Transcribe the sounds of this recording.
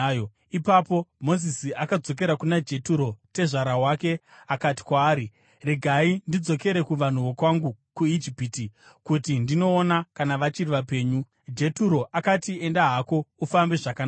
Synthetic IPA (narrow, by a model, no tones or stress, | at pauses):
jo | ipapo̞mo̞zisiakad͡zo̞k̬e̞ɾakunad͡ʒe̞tuɾo̞te̞ʐaɾaɦwake̞ | akati̥kwaːɾi | re̞ɡʱaindid͡zo̞ke̞ɾe̞kuʋan̤uʋo̞kwaŋɡukuid͡ʒipiti | kutindino̞ːnakanaʋat͡ʃiriʋape̞ːɲu | d͡ʒe̞tuɾo̞ʔakatie̞ndaɦako̞ufambeʐakan